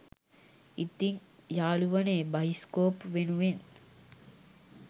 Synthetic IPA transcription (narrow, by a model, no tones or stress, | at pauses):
it̪iŋjaːluʋɐneːbɐjiskoːpʋenuʋen